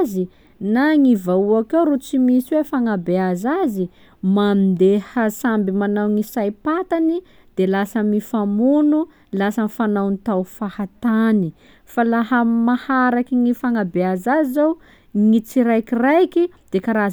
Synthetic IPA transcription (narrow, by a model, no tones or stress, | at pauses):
zi | naŋivauakawɾut͡simisiwefaŋabeazazi | mamind̪ehasambimanawŋisajpat̪ani | d̪̥elasamifamunu | lasanifanawnit̪awfahat̪ani | falaɦəmahaɾakiŋifaŋabeazazizaw | ŋit͡siɾajkirajki | d̪̥ekaɾaz